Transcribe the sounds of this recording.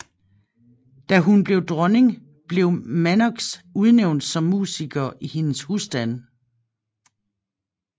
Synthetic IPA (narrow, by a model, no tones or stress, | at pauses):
d̥æɦunb̥le̝ʊd̥ʁɒne̝ŋ | b̥le̝ʊmænɒɡ̥suð̞ˠneʊnd̥sɒ̽mːṵːsiɡ̥ɐʔihe̝nəshusd̥æn